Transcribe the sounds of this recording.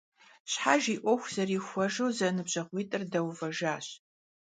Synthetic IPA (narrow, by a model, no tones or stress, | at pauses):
ɕħaʒiːʔʷɔxʷz̥ɐriːxʷɔʒɨwzɐnɨbɕʼɐʁʷiːtʼɨrdɐwvɐʒaːɕ